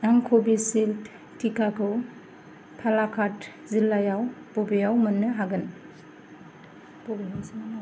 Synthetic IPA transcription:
aŋkʰobisilt | tʰikakʰɯw | pʰalakʰat | zilːajawb̥ɔbijawmɯnːɯɦaɡɯn | pɔblemsinana

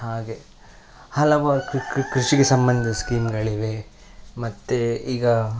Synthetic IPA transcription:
ɦaːɡe̞ | hɐlɐʋakkɾuʂiɡesɐmbɐnd̪ʱiskiːmɡɐɭiʋe̞ | mɐt̪ːeiːɡɐ

